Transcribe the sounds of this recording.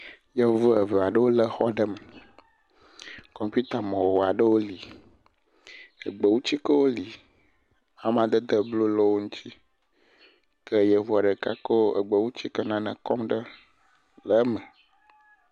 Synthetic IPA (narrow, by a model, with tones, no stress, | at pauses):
jə˦vu˦ə˨və˨a˨ɖə˦wo˦lə˦xɔ˦ɖə˦mə˨ | kɔ˨mpu˦t̪a˨mɔ̃˨wo˨a˨ɖə˦wo˦li˨ | ə˨ɡ͡bə˨wu˦t͡ɕi˦kə˦wo˦li˨ | a˨m˦ã˨d̪ə˦d̪ə˨blo˦lɔ˦wo˦ŋũ˦t̪i˦ | kə˦jə˨vu˦a˨ɖə˨ka̰˦kə˦wo˦ʔə̰˨ɡ͡bə˨wu˦t͡ɕi˦kə˦nã˦nə̰̃˨kɔ˦mɖə˦ | lə˨˦mə˨